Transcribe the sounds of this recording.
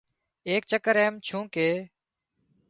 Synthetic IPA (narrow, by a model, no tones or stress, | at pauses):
eːk̚t͡ʃəkəɾeːmt͡ʃʰũːkeː